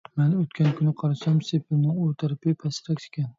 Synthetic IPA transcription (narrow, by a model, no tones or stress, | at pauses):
menot̪kʲankʰʊnɪqʰɑɾasamsepʰɪnɪŋot̪ʰaɾpepʰasɪɾakʲt͡ʃ̪ʰɪ̥kʲan